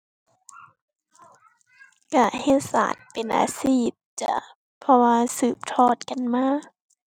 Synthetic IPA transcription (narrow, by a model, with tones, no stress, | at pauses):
ka˧˩he˧˥t̪̚sa̰ː˨˦t̪̚pe˨nʔa̰ː˨˧˦siː˧˩t̪̚t͡ɕa̰˧˦ | pʰɔ˧waː˧sɯː˨˩p̚t̪ʰɔː˧˩t̪̚ka˨nmaː˧˥˧